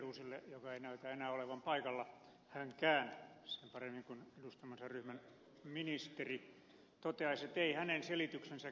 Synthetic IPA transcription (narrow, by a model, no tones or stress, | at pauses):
ruːsilːejokɑeinæyt̪æːenæːoleʋɑmpɑikɑlːɑ | hæŋkæːnsempɑremːiŋkunedust̪ɑmɑnsɑryhmæn | minist̪eri | t̪ot̪eɑiset̪eihænenselit̪yksensæ